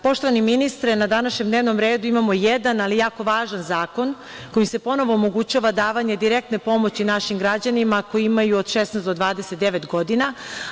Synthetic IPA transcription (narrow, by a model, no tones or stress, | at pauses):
po̞ʃt̪o̞ʋaniminist̪ɾenad̪anaʃɲemd̪neːʋno̞mɾeːd̪uimamo̞jed̪analijaːko̞ʋaːʒanzaːko̞n | ko̞jise̞po̞no̞ʋo̞ːmo̞ɡut͡ɕaʋad̪aːʋaɲe̞d̪iɾek̚t̪nepo̞mo̞t͡ɕinaʃimɡɾad͡ʑanimako̞jiimajuod̪ʃesnɛsd̪o̞d̪ʋaːd̪eset̪̚d̪e̞ʋet̪ɡo̞d̪ina